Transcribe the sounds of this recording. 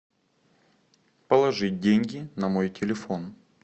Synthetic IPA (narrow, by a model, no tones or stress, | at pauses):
pəlˠɐʐɨt̚ʲdʲenʲɡʲɪnɐmo̞jtʲɪlʲɪfo̞n